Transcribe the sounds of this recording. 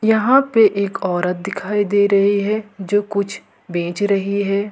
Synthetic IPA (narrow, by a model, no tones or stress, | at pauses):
jɐɦãpeʔeːkɔːɾət̪̚d̪ɪkʰaːid̪eːɾɐɦiɦɛːd͡ʒoːkʊt͡ʃʰ | bẽːt͡ʃɾɐɦiɦɛː